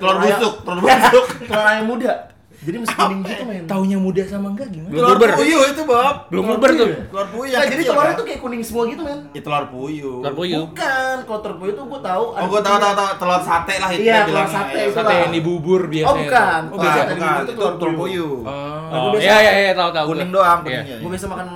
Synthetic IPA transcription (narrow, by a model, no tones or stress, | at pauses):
t̪əlorbut̪ʊk̚t̪əlɔrbutʊk̚t̪əloɾaɲamuda | d͡ʒadiməskunɪŋɡit̪umant̪auɲamudasamaŋɡaɡimabələlmubərjuit̪ubap̚bəlumbubərʊt̪əlarpujuad͡ʒadiəlaɾɲat̪ukajakunɪŋsəmuaɡit̪umanjat̪əloarpujurpujbukankalot̪ərpujut̪uɡuat̪auʔɡat̪aut̪aut̪aut̪əloat̪sat̪ɛlahijat̪əlsat̪eist̪alaenibubʊrbiasobukaniasaaikat̪ut̪lart̪urpuju | aɡubiajaajajat̪aut̪aukuɪŋdoaŋpəɲaɡuabiasamakan